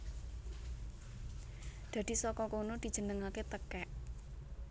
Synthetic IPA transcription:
d̪̥ä̤d̪̥i̤sɔkɔkonod̪̥i̤̥ʒ̥ə̤nəŋaket̪əkɛʔ

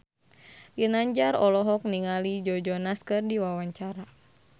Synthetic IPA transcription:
jɨnaɲd͡ʒarɔlɔɦɔk̚niŋalid͡ʒɔd͡ʒɔnaskɨrdiwawaɲt͡ʃaɾa

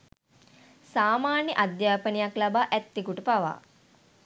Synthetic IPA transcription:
saːmaːnjəʔad̪jaːpənijaklabaːʔɛt̪ːikuʈəpaʋa̰ː

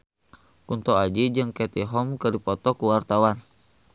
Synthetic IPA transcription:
unt̪ɔad͡ʒid͡ʒɨŋkɛt̪iɦɔmkɨɾipɔt̪ɔkuwart̪awan

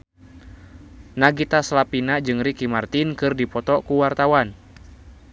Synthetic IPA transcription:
naɡit̪aslapinad͡ʒɨŋrikimart̪inkɨrdipɔt̪ɔkuwart̪awan

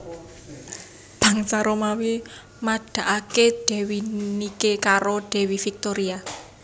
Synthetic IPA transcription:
b̥a̤ŋsaɾomawe | maɖ̥a̤ʔakeɖ̥ɛ̤winikekaɾoɖ̪̥ɛ̤wifik̚t̪oɾia

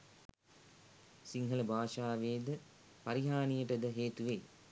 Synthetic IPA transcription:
siŋɦələbʱaːʃaːʋeːd̪ə | paɾiɦaːnijəʈəd̪əɦeːt̪uʋe

